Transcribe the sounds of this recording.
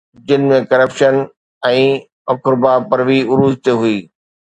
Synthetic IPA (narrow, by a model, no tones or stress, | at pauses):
d͡ʑɪnɪ̆mẽkɐɾəpʃən | ɛ̃ː | ɐkɾbapɐɾʋiʊɾuːzt̪eɦʊiː